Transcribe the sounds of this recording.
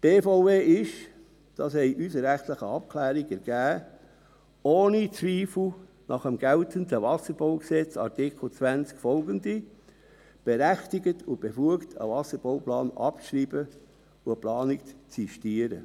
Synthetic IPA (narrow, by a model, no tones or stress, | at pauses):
b̥eːfoʊveːɪʃ | d̥ɑshɛɪʔysəɾæχtləχəɑp̚kʰlæːɾiɡɛɾɡ̥æː | oːnit͡sʋiːfl̩ | nɑχəmɡ̥æltʰəntəvɑsəɾb̥ɔʊksɛt͡sɑ̰ɾtɪkl̩t͡sʋænt͡skfɔlɡəndi | b̥ɛɾæχtiɡətʰʊb̥efuəktʰə̰vɑsəɾb̥oʊplɑːnɑ̰pʃɾiːb̥ə | ʊəplɑːnikt͡siʃtiəɾə̰